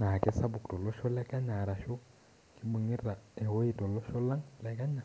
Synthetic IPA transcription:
na˨kɛ˦sa˦bu˨ktɔ˨lɔ˦ʃɔ˦lɛ˦ka˦ɲa˨ɾa˨ʃɔ˦ | ki˦mu˨ŋi˦ra˨ɛ˨wo˦i˨tɔ˨lɔ˦ʃɔ˦la˦ŋlɛ˦ka˦ɲa˨

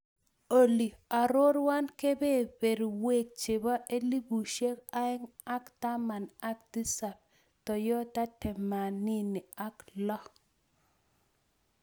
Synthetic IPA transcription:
o˨li˨a˨ɾo˦ɾwa˦nke˦be˦˨be˨ɾo˨we˦˨k̚t͡ʃe˨ba˦ʔe˦li˦bu˨ʃe˦ka˦ɛ˦ŋ | a˦kta˦ma˨na˦k̚di˦sa˨p̚ | tɔ˨jɔ˦ta˦tɛ˨ma˨ni˦ni˨a˦klɔ˦

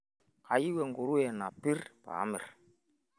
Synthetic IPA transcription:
ka˨ji˦wɛ˨ŋɡu˨ɾu˦ɛ˨na˨pi˦ɾpa̰˨˦mɪ̰˨ɾ

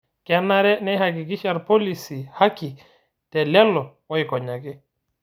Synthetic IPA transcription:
kɛ˨nːa˦ɾɛ˦nɛ˦ha˨ɡi˨ɡi˦ʃa˨ɾpo˦li˨si˨ha˦ki˨ | tɛ˨lɛ˦lːɔ˨ | ɔ˦jkɔ˨ɲa˨ɡɛ˦

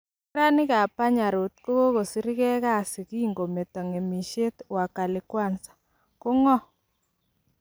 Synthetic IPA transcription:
ɾa˦nɪ˦ka˨pa˦ɲa˨ɾo˨t̪̚ko˦ko˦ɣo˨si˦ɾɪ˦kɛ˦ka˦˨sɪ˨ki˦˨ŋɡo˨me˨t̪ɔ˨ŋe˨mi˨ʃe˦twa˨ka˨lɪ˨kwa˦˨nsḁ˨ | kʊ˦ŋɔ˦

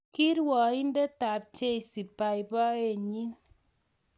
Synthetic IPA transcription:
ki˦ɾwɔ˨i˦n˦de˦ta˨p̚t͡ʃe˦i˨si˨pa˨jbɔ˦e˨ɲi˦n

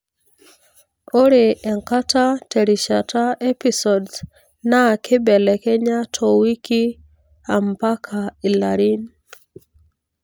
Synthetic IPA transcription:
o˦ɾe˨ɛ˨ŋka˦ta˦tɛ˨ɾiʃa˨ta˦ɛ˦pi˦sɔ˨ds | na˦˨kʰɪ˦bɛ˨lɛ˨kɛ˦ɲa˦tʰɔ˨wi˦ki˦ | a˨mpa˦kʰa˨i˨laɾi˦n

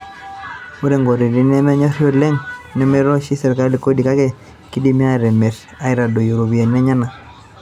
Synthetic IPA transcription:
o˦ɾe˨ŋɡo˨ɾi˨ɾi˦nɛ˦mɛ˦ɲɔ˦ɾjo˦lɛ˦ŋnɛ˦mɛ˦ɾɔ˦ʃi˦sɛ˨ɾka˦ɾli˨ko˦di˨ka˦kɛ˦ | ki˦di˦mi˦a˦˨ɾɛ˨me˨ɾ | a˦ɪ˦ɾa˨do˨jo˨ɾo˨bi˨a˨nɛ˦ɲa˦na˨

